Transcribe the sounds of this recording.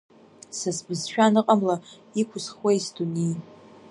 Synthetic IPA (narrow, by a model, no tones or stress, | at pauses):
sasbɨzʃᶣanɨqʼamla | ikʷʰʊsχwejsduni